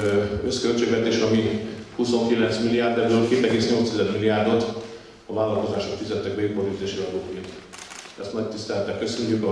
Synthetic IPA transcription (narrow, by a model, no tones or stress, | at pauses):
øskølt͡ʃeːɡvɛt̪eːʃɒmihuso̞ŋkilɛnt̪smilːijaːrd̪ɛbøːlkeːt̪ɛɡeːsɲo̞lt̪sɛzɛd̪milːiaːrd̪o̞t̪ | ɒvaːlːɒlko̞zaːʃo̞kfizɛt̪ːɛɡ̚bɛjupoɾyzeːʃiɛɾoːket̪ | ɛst̪nɒct̪ist̪ɛlɛt̪ːɛkːø̞søɲcykɒ